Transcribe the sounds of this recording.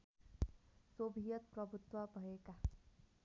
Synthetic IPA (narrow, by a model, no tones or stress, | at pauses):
sobʱijʌt̪̚pɾʌbʱut̪wʌbʱʌeka